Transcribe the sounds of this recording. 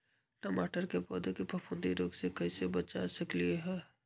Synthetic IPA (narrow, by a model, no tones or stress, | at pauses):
ʈəmaːʈəɾkepɔːd̪ekipɐpʰʊ̃nd̪iɾoːɡsekɐisebɐt͡ʃasɐklieɦɛː